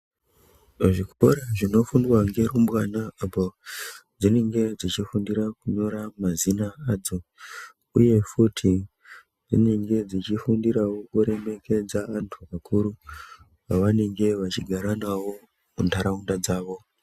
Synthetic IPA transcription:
ʐikoɾaʐino̞fundwaŋɡe̞ɾumbwanaaːpod͡zine̞ŋɡe̞d͡zit͡ʃifundiɾakuɲo̞ɾamazinaaːd͡zo̞ | uje̞futʰi | d͡zḭne̞ŋɡe̞d͡zit͡ʃifundiɾawokuɾe̞me̞ke̞d͡zaantʰuakʰuɾu | paʋane̞ŋɡe̞ʋat͡ʃiɡʱaɾanawo̞ | mundaɾaundad͡zaːʋo̞

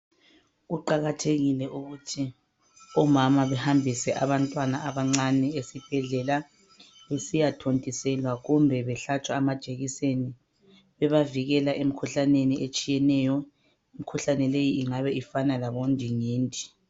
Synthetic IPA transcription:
ɣuǃaɣatʰeɣilɛʔuɣutʰi | ɔmamaβɛhambʱisɛʔaβantʼwanaaβaŋ͡ǀanɛesib̥ʱɛɮɛla | βesijatʰontʼisɛlwaɣumbʱɛβɛɬat͡ʃʼwaːmad̥ʒ̥ʱʼeɣiseni | βɛβaviɣɛlaʔem̩kʰuɬaneniʔet͡ʃʼijɛnɛjɔ | imikʰuɬanɛlejiiŋaβɛifanalaβond͡ʒʱiŋiːndʼʱi̥

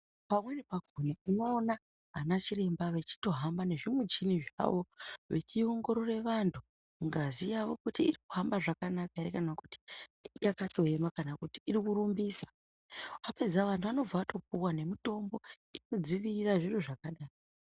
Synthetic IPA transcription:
pamwe̞nepaɡʱoniuno̞ːna | ɦanat͡ʃire̞mbaʋe̞t͡ʃi̥to̞ɦambane̞ʐimwed͡ʒiniʐa̰ʋo̞ʋe̞̰t͡ʃioŋɡo̞ɾo̞re̞ʋantʰu | ŋɡazijaʋo̞kutiːriku̥ɦambaʐakanakaiɾekanaku̥ti̥jakato̞enwakanakutiirikuɾumbiːsḁ | ʋape̞d͡zaʋantʰuʋano̞b͡vaato̞p̚uwane̞mito̞mbo̞ | ino̞d͡ziʋiriraʐiroʐakaɗaːro

